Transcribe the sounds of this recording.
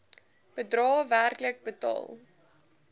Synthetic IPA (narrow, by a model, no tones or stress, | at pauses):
b̥ədrɑːværklək̚bətɑ̰ːlˠ